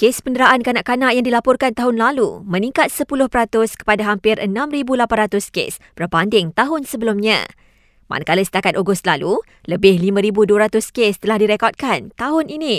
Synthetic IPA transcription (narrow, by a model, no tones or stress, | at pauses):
kespəndəɾaʔankanaʔkanãʔjaŋdilapɔrkant̪aɦʊnlalṵmə̃nĩŋkat̪̚səpulʊhpəɾat̪ʊskə̥padaɦampɪrʔə̰nãmribulapanrat̪ʊskḛsb̥ərbandɪŋt̪aɦʊnsəbəlʊmɲã̰ | ma̰nakalisə̥t̪akat̪̚oɡust̪̚lalu | ləbɪhlimãɾibuduəɾat̪ʊskest̪əlahdiɾekɔd̚kant̪aɦʊnini